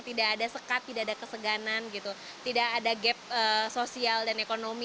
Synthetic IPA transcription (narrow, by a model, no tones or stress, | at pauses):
t̪idaːdasəkat̪ːidaadakəsəɡananɡit̪u | t̪idaʔːdaɡɛp̚əsosialdanekonomi